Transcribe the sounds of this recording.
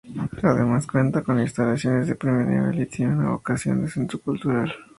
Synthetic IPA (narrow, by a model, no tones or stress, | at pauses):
aðemaskwe̞nt̪ako̞ninst̪alasjo̞nezðepɾimeɾnḭβḛlit̪eneuna̰βo̰kasjo̞̰nd̪ese̞nt̪ɾokult̪uɾal